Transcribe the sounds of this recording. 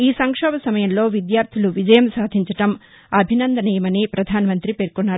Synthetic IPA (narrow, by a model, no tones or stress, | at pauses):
iːsɐŋkʂɔːbɐsɐmɐjɐmlo̞ːʋid̪jaːɾt̪ʰiluʋid͡ʒɐjɐmsaːd̪ʱiɲt͡ʃɐʈɐm | ɐbʱinɐnd̪ɐnɛjɐmɐneːpɾɐd̪ʱaːnɐmɐnt̪ɾipeːɾkunːaː